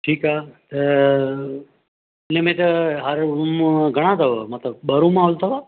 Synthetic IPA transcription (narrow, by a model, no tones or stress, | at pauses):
ʈʰiːkat̪ə | nemẽt̪əɦəɾɡʱəɽ̃ãt̪ʰəʋamat̪əɓəɾũmãːɦult̪ʰəʋa